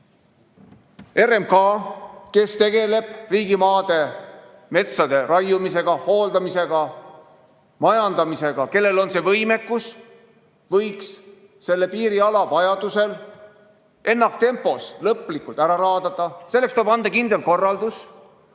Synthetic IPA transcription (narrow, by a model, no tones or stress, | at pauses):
e̞remkɑːke̞st̪e̞ɡe̞le̞b̥riːɡimɑːd̪e̞ | me̞t̪sɑd̪e̞ɾɑjumise̞ɡ̥ɑho̞ːld̪̥ɑmise̞ɡ̥ɑ | mɑjɑnd̪̥ɑmise̞ɡ̥ɑke̞lːe̞lo̞nse̞vɤjme̞kːus | vɤjks | se̞lːe̞piːɾiɑlɑvɑjɑd̪use̞l | ʔe̞nːɑk̚t̪e̞mpːˑo̞slɤplikult̪ˑæɾɑɾɑːd̪ɑt̪ːˑɑselːekst̪oebɑnd̪ɑkind̪̥e̞lko̞rːɑld̪̥us